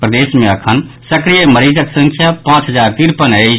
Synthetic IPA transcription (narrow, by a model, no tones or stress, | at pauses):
pɾəd̪eːsmẽəkʰənsəkɾijeməɾiːd͡ʒəksə̃ŋkʰjapãːt͡ʃɦəzaːɾk̪ɪɾpənei